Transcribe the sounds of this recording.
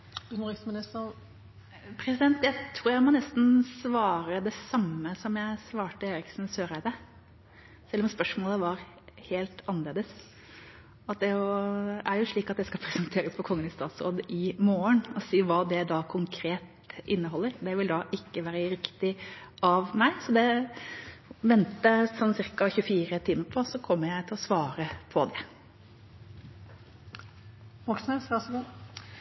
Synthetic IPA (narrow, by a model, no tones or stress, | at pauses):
ʉnʊɾɪksmɪnɪst̪ə | pʰɾɛsɪd̪ɛnt̪d̪æt̪ʰɾuːɾjæɪmɔnɛst̪n̩sʋɑːɾəd̪ɛsɑmːəsɔmjæɪsʋɑːʈəeːɾɪksnsøːɾæɪd̪ə | sɛlːɔmspœʂmoːləʋɑɾ | heːlt̪ɑnəleːd̪əs | ɑt̪̚d̪ɛjʊæɾjʊʂɭiːkɑt̪d̪ɛskɑpʰɾɛsənt̪ʰeːɾəspʰɔkʰɔŋːənɪst̪ɑːt̪sɾo̰ːd̪ʔɪmoːənɔsiːʋɑːd̪ɛd̪ɑkʰʊŋkʰɾeːt̪ | ʔɪnːəɦɔlːəɾd̪ɛʋɪld̪ɑʔɪkːəʋæːɾəɾɪkt̪ɪʔɑʋmæɪsɔd̪ɛ | ʋɛnt̪əsɔnːsɪɾkɑçʉfiːɾət̪ʰiːməɾpʰɔsɔkʰɔmːəɾjæɪt̪ʰɪlɔsʋɑːɾəpʰɔd̪ɛ | ʋɔksnəsɑsɡu